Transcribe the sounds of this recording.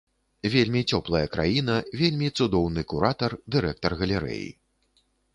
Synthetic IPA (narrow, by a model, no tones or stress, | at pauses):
vʲelʲmʲit͡sʲɔplˠɐjɐkɾa̰jinɐvʲelʲmʲit̪sud̪ɔwnɨkuɾat̪ɐrd̪ɨɾɛk̚t̪ɐrɣɐlʲɛɾɛ̰jḭ